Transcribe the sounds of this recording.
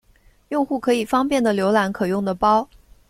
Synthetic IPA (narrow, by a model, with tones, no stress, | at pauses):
jʊ˥˧ŋxu˥˩kʰɤ˧˥i˨˩fɑ˥ŋpjɛ˥˩nd̪ə˩ljo˧˥ʊla˧˥nkʰɤ˨˩jʊ˥˩ŋd̪ə˩pɑ˥ʊ